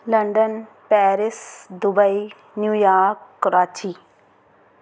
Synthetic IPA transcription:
lɐɳɖən | pɛːɾɪsd̪ʊbəi | njuːjaːɾkːʊɾaːt͡ʃi

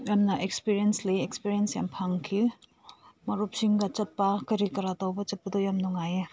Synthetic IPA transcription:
jamnɐʔekspiɾijensleekspiɾijensja̰mpʰaŋkʰi | mɐɾup̚siŋɡɐt͡ʃɐt̚pakɐɾikɐɾatawbɐt͡ʃɐt̚pɐdɔjamnɔŋaje

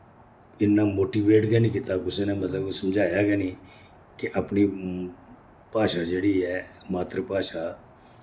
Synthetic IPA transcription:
ɪnːamoːʈiːʋeːʈkɛnikɪt̪akʊsenɛmət̪ləbsɐmd͡ʒʱaːjakɛni | kiʔapni | paːʃad͡ʒeːɽiːɛmaːt̪ɾəpaːʃa

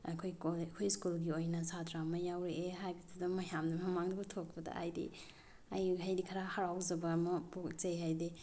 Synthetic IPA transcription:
a̰jkʰojkokʰojskulɡiojnɐsatʰɾamɐjawɾeʔeɦajbitʰudɐmɐjamnɐmɐmaŋdubutʰok̚pɐdɐ̰a̰jdḭ | ajɦajdikʰaɾahaɾawzɐbɐmɐpokt͡ʃejɦajdi

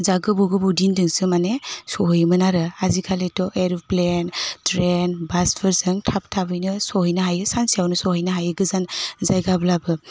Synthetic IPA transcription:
zaɡɯbuɡɯbudindɯŋsɯmanesɔɦɯjmɯnaɾɯazikʰaletɔʔeɾplentɾenbaspʰɯɾsɯŋtʰap̚tʰabɯjnɯsɔhɯjnɯɦajɯsansijawnɯsɔɦɯjnɯɦajɯɡɯzanzajɡablabɯ

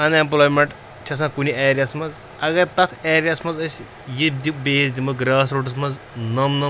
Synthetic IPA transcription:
ɐnemp̬loːjmeɳʈ | t͡ʃʰɐs̬ãːkunʲieːɾijɐsmɐz | ɐɡɐɾt̪ɐt̪ʰeːɾijɐsmɐzɐs | jid̪ibeːzd̪imɐɡɾaːs̬ɾoʈɐsmɐz | nɐmnɐm

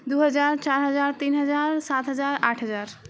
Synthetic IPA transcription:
d̪uɦəd͡ʒaɾt͡ʃaɾɦəd͡ʒaɾt̪inɦəd͡ʒaɾsat̪ɦəd͡ʒaɾaʈʰɦəd͡ʒaɾ

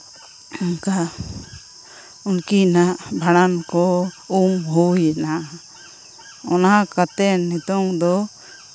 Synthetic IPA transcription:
ɔnka | unkinaʔbʱaɽankɔumɦujɛnaʔ | ɔnakat̪ɛnːɛt̪ɔŋd̪ɔ

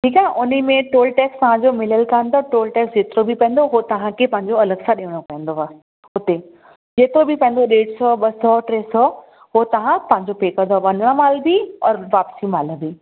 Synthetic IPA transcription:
ʈʰiːkaɦʔʊnəmẽʈoːlʈɛːkst̪ɐʋ̤ãd͡ʑoːmɪləlkãnd̪oʈoːlʈɛːksd͡ʑeːt̪ɪɾobʱipɐ̃ə̃nd̪oɦot̪ɐʋ̤ãkʰepɐ̃ɦɪ̃ɲd͡ʑoɐləɡsaɗiːəɽ̃opɐɦə̃n̆d̪oaː | ʊt̪e | d͡ʑeːt̪ɾobʱipɐ̃ɪ̃n̆d̪oɗeːɽsɔɓɐsɔʈɾeːsɔ | ɦot̪ɐʋ̤ãp̪ɐ̃ɦɪ̃ɲd͡ʑopeːkə̃d̪oʋɐnəɽ̃amaːlbiɔːɾʋaːpsimaːləbʱi

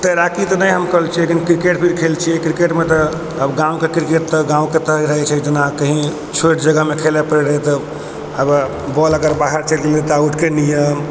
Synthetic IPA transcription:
t̪əɾakit̪ɔnəjɦəmkəɦlt͡ʃʰilekinkɾikeʈpʰiɾkʰelt͡ʃʰiɛkɾikeʈmet̪ɔː | bɡãũkekɾikeʈ̚t̪əɡãũket̪əiɾəɦɛt͡ʃʰɛd͡ʒənakəɦĩ | t͡ʃʰoʈd͡ʒəɡəmekʰelɛpəɾɛɾəɦɛt̪ə | əb | bɔləɡəɾbaɦəɾt͡ʃəlilit̪auʈʰkenijəm

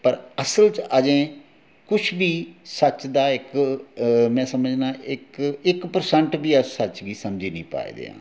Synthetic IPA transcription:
pəɾəsəlt͡ʃʔəd͡ʒẽː | kʊt͡ʃʰbiːsət͡ʃd̪aːɪk | mɛ̃ːsəməd͡ʒnaːɪkɪkpəɾsəɳʈbiːəsət͡ʃɡiːsəmd͡ʒiːnḭ̃ːpa̰ːḭːd̪ḛːã̰ː

